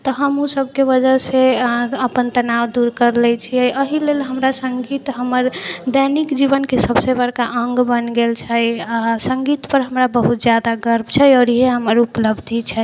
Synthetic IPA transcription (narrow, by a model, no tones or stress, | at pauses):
t̪ɔɦəmusəb̚ʱkeʋəd͡ʒəɦseəpənt̪ənawd̪uɾkəɾlɛt͡ʃʰiəjʔəɦilelɦəmɾasəŋɡit̪ɦəməɾd̪ənikd͡ʒibənkesəbsebəɾkaʔəŋɡbənɡelt͡ʃʰəjasə̃ŋɡit̪pəɾɦəmɾabəɦut̪d͡ʒjad̪aɡəɾmt͡ʃʰɛjɔːɾiɦeɦəməɾupləbd̪ʱit͡ʃʰɛ